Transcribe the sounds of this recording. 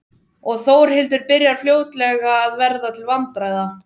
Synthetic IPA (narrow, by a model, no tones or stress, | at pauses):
ɔɣθoːwɾ̥hɪlt̪ʏɾpɪɾjaɾ̥fljoːwt̪lɛɣaːðvɛɾðat̪ʰɪlvant̪ɾajða